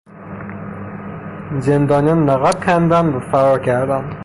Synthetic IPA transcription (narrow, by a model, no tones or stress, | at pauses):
zend̪ɒːnijɒnːæɣɑd̪̚kʰænd̪ænvæfæɾɒɾkʲʰæɾd̪æn